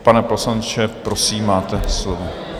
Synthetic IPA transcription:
panɛposlant͡ʃɛpɾosiːmːaːt̪ɛslovo

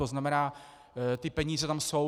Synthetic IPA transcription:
oznamɛnaː | t̪ɪpɛɲiːzɛt̪amso̞

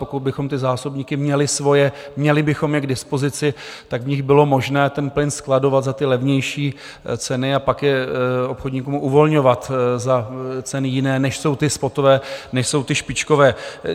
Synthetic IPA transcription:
pokud̪̚bɪxo̞mt̪ɪzaːsobɲiːkɪmɲɛlɪsvo̞jɛmɲɛlɪbɪxo̞mjɛaɡdɪspozɪt͡sɪt̪aɡvɲɪɣbɪlo̞mo̞ʒnɛːt̪ɛnplɪnsklado̞vat̪zat̪ɪlɛvɲɛjʃiː | t͡sɛnɪapakjɛo̞pxodɲikumʔuvo̞lɲo̞vat̪zat͡sɛnɪjɪnɛːnɛʃso̞wt̪ɪspo̞t̪ovɛːnɛʃso̞wt̪ɪʃpɪt͡ʃko̞vɛː

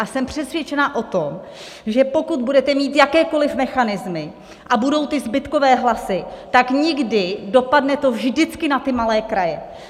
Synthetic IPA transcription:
ʔasɛmpr̝̥ɛsvjɛt͡ʃɛnaʔo̞t̪om | ʒɛpo̞kud̪̚budɛt̪ɛmiːt̪jakɛːko̞lɪfmɛxanɪzmɪ | ʔabudo̞wt̪ɪzbɪt̪kovɛːɦlasɪt̪akɲɪɡdɪdo̞padnɛt̪o̞vʒdɪt͡skɪnat̪ɪmalɛːkɾajɛ

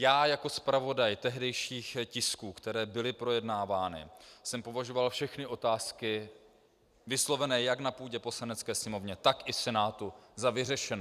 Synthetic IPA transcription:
jaːjako̞spɾavo̞dajt̪ɛɦdɛjʃiːxcɪskuːkt̪ɛɾɛːbɪlɪpɾo̞jɛdnaːvaːnɪ̰sɛmpo̞vaʒo̞valfʃɛxnɪʔo̞t̪aːskɪ | vɪslo̞vɛnɛːjaknapuːɟɛpo̞slanɛt͡skɛːsɲɛmo̞vɲɛt̪akɪsɛnaːt̪uzavɪrɛʃɛnɛː

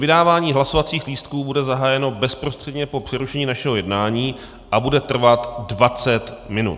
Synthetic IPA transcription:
vɪdaːvaːɲiːɦlasovat͡siːxliːst̪kuːbudɛzaɦaːjɛno̞bɛspɾost̪r̥ɛdɲɛpo̞pr̥ɪɾuʃɛɲiːnaʃɛɦo̞jɛdnaːɲiː | ʔabudɛt̪r̩vat̪dvat͡sɛt̪mɪnṵt̪

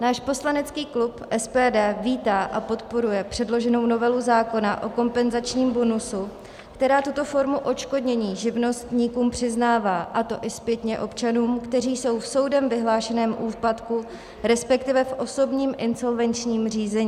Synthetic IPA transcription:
naːʃpo̞slanɛt͡skiːklupʔɛspɛːdɛːviːt̪aːʔapo̞t̪po̞ɾujɛpr̝̥ɛdlo̞ʒɛno̞wno̞vɛluzaːko̞naʔo̞ko̞mpɛnzat͡ʃɲiːmbo̞nusu | kt̪ɛɾaːt̪ut̪o̞fo̞ɾmuʔo̞t͡ʃko̞dɲɛɲiːʒɪvno̞st̪ɲiːkuːmpr̝̥ɪznaːvaːʔat̪o̞ʔɪspjɛt̪ɲɛʔo̞pt͡ʃanuːmkt̪ɛriːso̞wfso̞wdɛmvɪɦlaːʃɛnɛːmʔuːpat̪ku | ɾɛspɛkt̪ɪvɛfʔo̞so̞bɲiːmʔɪnso̞lvɛnt͡ʃɲiːmriːzɛɲiː

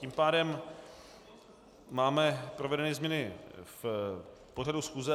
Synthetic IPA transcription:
iːmpaːdɛm | aːmɛpɾovɛdɛnɛːzmɲɛnɪf | po̞radusxuːzɛ

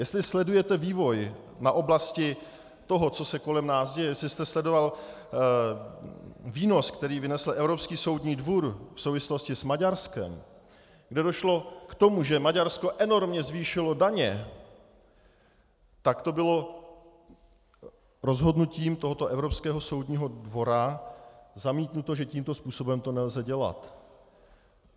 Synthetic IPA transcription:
jɛst̪lɪslɛdujɛt̪ɛviːvo̞j | naʔo̞blascɪ | t̪o̞ɦo̞t͡so̞sɛko̞lɛmnaːsɟɛjɛjɛslɪst̪ɛslɛdo̞val | viːno̞skt̪ɛɾiːvɪnɛsl̩ʔɛvɾo̞pskiːso̞wdɲiːdvuɾfsowvɪslo̞scɪsmaɟaɾskɛ̰m | ɡdɛdo̞ʃlo̞kt̪o̞muʒɛmaɟaɾsko̞ʔɛno̞ɾmɲɛzviːʃɪlo̞daɲɛ | t̪akt̪o̞bɪlo | ɾo̞zɦo̞dnuciːmt̪oɦot̪o̞ʔɛvɾopskɛːɦo̞so̞wdɲiːɦo̞dvo̞ɾa | zamiːt̪nut̪o̞ʒɛciːmt̪o̞spuːso̞bɛmt̪o̞nɛlzɛɟɛla̰t̪

